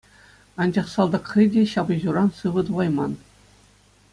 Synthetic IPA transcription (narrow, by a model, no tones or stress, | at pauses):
ɑnd͡ʑɑχsɑlˠd̪ɑkχʲidʲeɕɑbɤ̆ʑuɾɑnsɯʋɤ̆t̪uʁɑjmɑn